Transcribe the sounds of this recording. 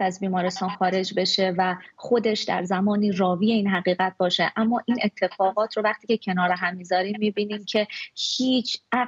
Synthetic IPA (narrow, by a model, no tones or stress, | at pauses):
æzbiːmɒːɾe̞st̪ɒːnxɒːɾe̞d͡ʒbe̞ʃe̞væxo̞d̪e̞ʃd̪æ̰ɾzæmɒːniːrɒːviːje̞iːnɦæɣiːɣæt̪̚bɒːʃe̞ʔæmːɒːʔiːne̞t̪ʰːe̞fɒːɣɒːt̪ʰɾo̞væχt̪ʰiːcʰe̞cʰe̞nɒːɾeɦæmːiːzɒːɾiːmːiːbiːniːmcʰe̞hiːt͡ʃʰæ